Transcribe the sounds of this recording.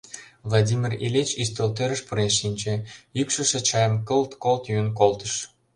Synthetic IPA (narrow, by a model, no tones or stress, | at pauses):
vlˠɑdʲimʲirilʲet͡ɕyst̪olt̪eɾəʃpuɾeʃːinʲt͡ɕeykʃə̆ʃĕt͡ɕɑjəmkəlt̪kolt̪jynk̬olt̪əʃ